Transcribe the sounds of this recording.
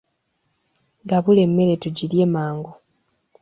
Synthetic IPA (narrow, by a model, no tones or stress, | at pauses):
ɡaβule̞mːe̞ɾe̞tuɟilje̞maːŋɡo